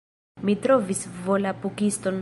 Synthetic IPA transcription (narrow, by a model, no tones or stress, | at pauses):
mitɾovisvo̞lapukisto̞n